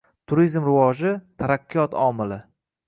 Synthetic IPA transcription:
t̪ʰʊɾizmɾɪvɒʒɪt̪ʰaɾakːijɒt̪ʰɒmɪlɪ

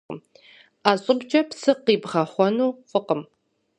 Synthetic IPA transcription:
m | aːɕʼɪbd͡ʒʼɐpsɨqiːbʁɐχʷɔnuːfʷʼʊqəm

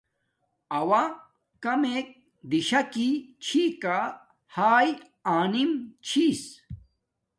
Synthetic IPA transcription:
ɐwa | kɐmek̚ | d̪iɕɐkit͡ɕʰika | haːj | aːnimt͡ɕʰis

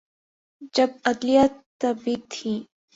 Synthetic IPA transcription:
d͡ʒɐb̚ɐd̪lijat̪ː | ɐbiːt̪ʰiː

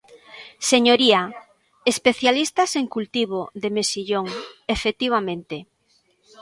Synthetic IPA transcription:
seɲoɾia | espeθjalist̪aseŋkult̪iβ̞oðemesiʎoŋefet̪iβ̞amẽnt̪e

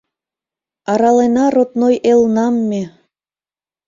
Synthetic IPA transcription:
ɑɾɑlenɑɾot̪nojʔelnɑmːe

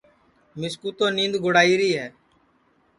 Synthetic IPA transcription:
mɪskuːt̪õːnĩːnd̪ɡoɽaːiːɾiːɦɛː

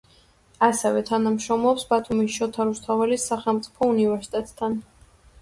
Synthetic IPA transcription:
asɛvɛt̪ʰanamʃɾɔmlˠɔpsbat̪ʰumisʃɔt̪ʰaɾust̪ʰavɛlisːaχɛlˠmt̪sʼi̥pʰɔunivɛɾsi̥t̪ʼɛt̪ʼːʰan

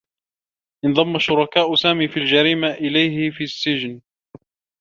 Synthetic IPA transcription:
ʔɪnðˤɑmːaʃʊɾˤɑkaːʔʊsaːmiːfiːald͡ʒaɾiːmaʔɪlajhɪfiːasːɪd͡ʒn

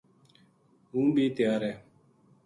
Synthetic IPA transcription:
ɦũːbʱiːt̪ɪjaːɾɛː

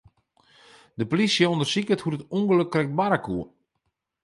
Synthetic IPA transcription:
dəpolisjəondərsikəthutətuŋɡələkːrɛk̚t̚baɾəkuə

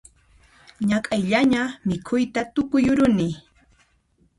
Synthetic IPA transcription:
ɲakʼajʎaɲamɪkʰʊjt̪at̪ʊkʊjʊɾʊnɪ

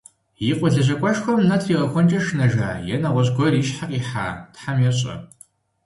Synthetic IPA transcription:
jiqʷʼɔɮɐʑɐkʷʼɑʃxʷɐmnɐtʰriːqɐxʷɔnt͡ʃʼɐʃnɐʒaːjɛnɐʁʷɔʑ̬ɡʷɔriːʃħaqʼiːħa̰ːtħamjɛɕʼɐ̰

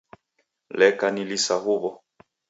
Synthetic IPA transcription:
lɛkanilisaɦuβɔ

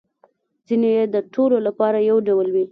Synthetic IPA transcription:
zinejed̪əʈʰololapɑɾajawɖawəlwi

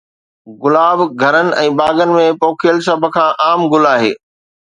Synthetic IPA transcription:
ɣʊlaːbɡʱɐɾənɪ̆ʔɛ̃ːbaːɡənɪ̆mẽpoːkʰijəlsɐbʱəkʰãːʔaːmɡʊlaːɦḛː

